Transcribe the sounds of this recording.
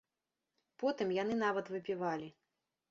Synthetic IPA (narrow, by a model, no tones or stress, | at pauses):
pɔt̪ɨmjan̪ɨnavɐt̪vɨpʲivalʲi